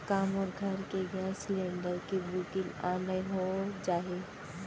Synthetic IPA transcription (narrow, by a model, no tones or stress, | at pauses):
kaːmɔːɾɡʱɐɾkeɡãslẽːɳɖəɾkebuːkilã̰ːnəjɦod͡ʒaːɦe